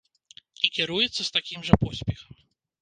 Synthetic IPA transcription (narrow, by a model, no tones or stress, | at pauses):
ikʲɛɾujɛt̪sːɐst̪akʲimʐɐpɔsʲpʲɛxɐ̥m